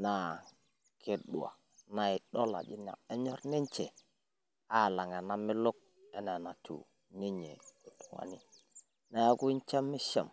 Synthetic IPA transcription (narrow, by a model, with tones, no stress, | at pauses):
na˨ | kʰe˨ɗṵ˨a̰˨ | na˨i˨ɗo˦la̰˨d͡ʒi˦n˦˨a̰˨e˦ɲo˦ɾni˦ɲt͡ʃe˨ | a˦˨la˨ŋe˨na˦mi˦lo˦k̚ | ɛ˨ne˨na˨tṵ˨ | ni˦ɲḛ˨u˨tu˨ŋa̰˨ni˦ | na˨ja˦ku˦n˦t͡ʃe˦mːi˦ʃe˦˨m